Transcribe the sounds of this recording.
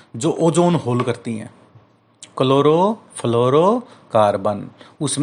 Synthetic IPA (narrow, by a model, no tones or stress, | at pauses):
d͡ʒoːʔoːd͡ʒoːnɦoːlkəɾt̪iɦɛ̰̃ː | kəloːɾoːpʰəloːɾoːkaːɾbənʊsm